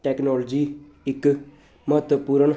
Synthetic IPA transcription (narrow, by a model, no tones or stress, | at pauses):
ʈɛːknɔːld͡ʒiː | ɪk | məət̪əpuːɾəɳ